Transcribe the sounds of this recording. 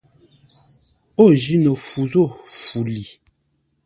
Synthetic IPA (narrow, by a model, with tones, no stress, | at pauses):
o˦˨ʒi˦nə˨fu˨zo˦˨fu˨li˨